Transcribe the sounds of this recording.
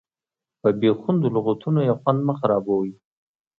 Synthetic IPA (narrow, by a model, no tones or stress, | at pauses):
pəbexʊnd̪olʊɣat̪ʰunojaxwand̪məxaɾɑbowi